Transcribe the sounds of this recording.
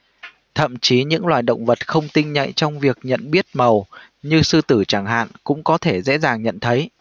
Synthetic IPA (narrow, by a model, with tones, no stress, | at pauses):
t̪ʰə̰˧˨mt͡ɕi˨˦ɲɨ̰˧˥ŋlwaː˨˩jɗə̰˧˨wŋ͡mvə˨˩t̚xə˧wŋ͡mt̪ï˧ŋ̟ɲa̰˧˨jt͡ɕɔ˧wŋ͡mvi˨˩ək̚ɲə̰˧˨nɓi˦˥ət̚mə˨˩w | ɲɨ˧sɨ˧t̪ɨ˧˩t͡ɕaː˧˩ŋɦa̰ː˧˨nkʊ̰˧˥ŋ͡mkɔ˨˦t̪ʰe˧˩zɛ̰˧˥zaː˨˩ŋɲə̰˧˨nt̪ʰə˨˦j